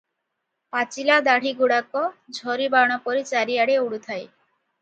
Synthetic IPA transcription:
pat͡ɕilad̪aɽ̤iɡuɽakɔd͡ʑʱɔɾibaɽ̃ɔpoɾit͡ɕaɾiaɽeuɽut̪ʰaj

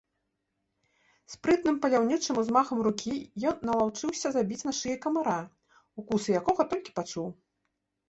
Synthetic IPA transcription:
spɾɨt̪nɨmpɐlʲawnʲit͡ʂɨmuzmaxɐmrukʲijɔnːɐlˠawt͡ʂɨwsʲɐzabʲit͡sʲnaʂɨjɐkɐmaɾa | ukusɨjakɔɣɐt̪ɔlʲkʲi̥pat͡ʂuw

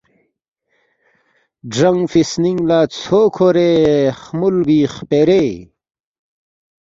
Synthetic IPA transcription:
ɖɐŋfisniŋɡlaːt͡sʰokʰoɾeχmulbiːχpeɾe

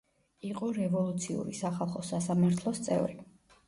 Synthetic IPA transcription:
iqʼɔɾɛvɔlˠut̪sʰiṵɾisaχalˠχɔsasamaɾt̪ʰlˠɔst̪sʼɛ̰vɾi

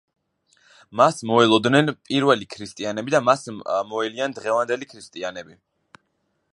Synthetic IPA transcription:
masmɔɛlˠɔd̪nɛnpʼiɾvɛlikʰɾist̪ʼianɛbid̪amasmɔɛliand̪ʁɛvand̪ɛlikʰɾist̪ʼianɛbi

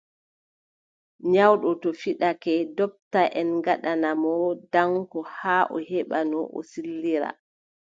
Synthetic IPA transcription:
ɲawɗɔtɔfiɗakɛdɔp̚taʔɛnɡaɗanamɔdaŋkɔhaːʔɔ̰hɛɓanɔʔɔ̰silːiɾa̰

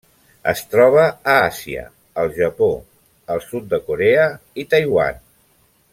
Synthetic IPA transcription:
ə̰st̪ɾɔβ̞əːasiə̰ | əlˠʒəpo | əlˠsut̪̚d̪əkuɾeəit̪əjwa̰n

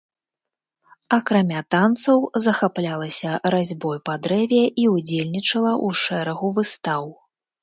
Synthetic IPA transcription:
ɐkɾamʲat̪ant̪sɐwzɐxaplʲalˠɐsʲɐɾazʲbɔjpɐd̪ɾɛvʲjɛʔiud͡zʲelʲnʲit͡ʂɐlˠɐʔuʂɛɾɐɣuvɨst̪aw

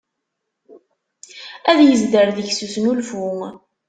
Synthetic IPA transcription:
æðjəzd̪əɾðəʝsusnulfʊ

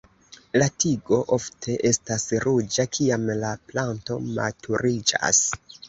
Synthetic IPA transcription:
latiɡo̞ʔo̞ftʰe̞ʔe̞stasɾud͡ʒakʰiamlaplanto̞̰ma̰tʰuɾid͡ʒa̰s

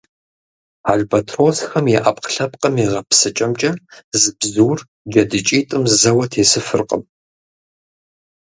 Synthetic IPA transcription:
aɮbɐtʰroːsxɐmjɛʔɐpqɬɐp̚qʼɐmeʁɐpsɨt͡ʃʼɐmt͡ʃʼɐzɨbzuːr | d͡ʒɐdɨt͡ʃʼiːtʼɨmzzɐwɐtʰeːsɨfɨrqə̰m

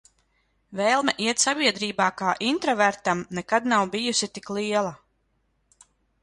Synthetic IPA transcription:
vɛːlˠmɛʔiɛt̪sabiɛd̪ɾiːbaːkaːʔint̪ɾɔvæɾt̪amnɛkad̪nawbijusit̪iklˠiɛlˠa

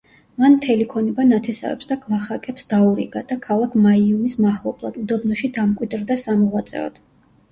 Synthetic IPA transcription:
manmt̪ʰɛlikʰɔnibanat̪ʰɛsa̰vɛ̰psd̪aɡlˠaχakʼɛpsd̪auɾḭɡad̪̥akʰalˠakʰmaiumismaχlˠɔpʰlˠa̰d̪ud̪ɔbnɔʃid̪amkʼwid̪ɾd̪asamɔʁwat̪sʼɛ̰ɔ̰t̪

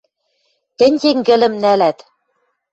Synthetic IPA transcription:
t̪ɘ̆nʲteŋɡɘ̆lɘ̆mnælæt̪

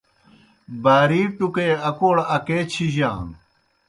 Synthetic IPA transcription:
baːɾiːʈukeːɐkoːɽɐkeːt͡ɕʰiʑa̰ːn

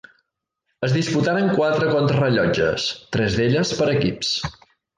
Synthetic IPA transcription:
əzðisput̪aɾəŋkwat̪ɾəkɔnt̪ɾərəʎɔd͡ʒə̰st̪ɾɛzðeʎəspəɾəkips

